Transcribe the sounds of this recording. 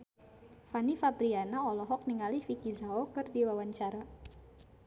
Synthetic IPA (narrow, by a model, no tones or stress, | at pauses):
fanifabɾianaɔlɔɦɔk̚niŋalifikizaokɨrdiwawaɲt͡ʃaɾa